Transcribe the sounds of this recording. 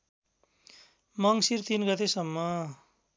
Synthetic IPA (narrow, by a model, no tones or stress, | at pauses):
mʌŋsirt̪inɡʌt̪esʌmːʌ